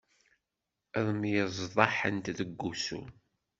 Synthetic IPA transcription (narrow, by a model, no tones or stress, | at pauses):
ðˤmjəzˤðˤɑħə̰nt̪ðəɡːusṵ